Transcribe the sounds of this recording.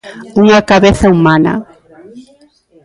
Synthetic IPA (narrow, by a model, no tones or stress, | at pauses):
uŋakaβeθaumanɐ̰